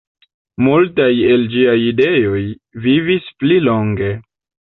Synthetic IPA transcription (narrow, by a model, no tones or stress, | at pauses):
multaje̞ld͡ʒiajide̞jo̞j | vivisplilo̞ŋɡe̞